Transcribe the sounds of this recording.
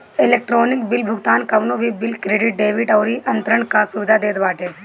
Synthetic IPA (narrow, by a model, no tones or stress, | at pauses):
ɪleːk̚ʈɾoːnɪk̚bɪlbʱʊɡt̪aːnkɐʋnõbʱibɪlkɾeːɖɪʈ̚ɖeːʋɪʈɐːɾiʔɐ̃nt̪ɾəɳ̃kasʊʋɪd̪ʱad̪eːd̪baːʈeː